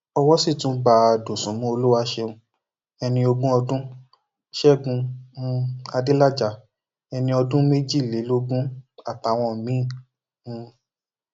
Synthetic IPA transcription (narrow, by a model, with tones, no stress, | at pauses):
ɔ˧wɔ˦si˦˨tũ˨˦ɡ͡ba˧˨do˨sũ˨˦mũ˦o˧lu˦wa˧ʃe˧ũ˧ | ɛ˧nĩ˧o˧ɡũ˦ɔ˧dũ˦ | ʃɛ˦˨ɡũ˧˦ | a˧di˦la˦d͡ʒa˧˦ | ɛ˧nĩ˧ɔ˧dũ˦me˦d͡ʒi˦˨le˨˦lo˦ɡũ˦a˦˨ta˨˦˧w̃ɔ̃˧˨mĩ˨˦˨ | ũ˧